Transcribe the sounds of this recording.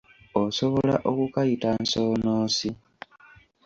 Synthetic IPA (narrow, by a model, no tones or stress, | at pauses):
oso̞βolaʔokukajitanso̞ːnoːsi